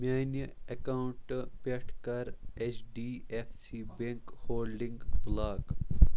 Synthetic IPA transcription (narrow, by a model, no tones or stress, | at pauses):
maːnjəɐkawʊɳʈpeʈʰkɐɾet͡ʃɖiːefsibeŋkhoːlɖĩŋɡblaːɡ